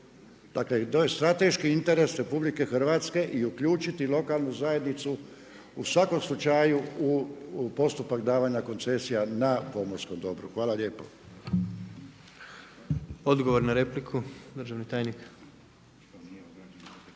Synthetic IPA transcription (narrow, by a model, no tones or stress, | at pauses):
d̪̥akle̞t̪oːje̞st̪ɾat̪e̞ʃkiint̪e̞ɾe̞sɾe̞publike̞xr̩ʋat̪ske̞ʔiukʎuːt͡ʃit̪ilo̞kalˠnuzaje̞d̪nit̪su | usʋako̞mslˠut͡ʃajuupo̞st̪upakd̪aːʋaɲako̞nt̪se̞sijanapo̞moɾsko̞md̪o̞bɾṵxʋaːlaʎje̞ːpo̰ | od̪ɡoʋoɾnaɾeplikʰud̪ɾ̩ʒaʋnit̪aːjnik̪